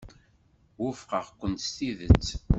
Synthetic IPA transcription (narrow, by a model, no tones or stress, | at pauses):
wʊfqəʁkʷːənt̪st̪iðət͡sː